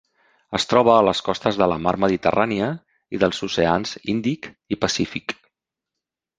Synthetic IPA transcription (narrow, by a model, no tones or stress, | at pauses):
əst̪ɾɔβ̞əːləskɔst̪əzðələmaɾməðit̪əraniə | iðəlˠzuseanzind̪ik | ipəsifik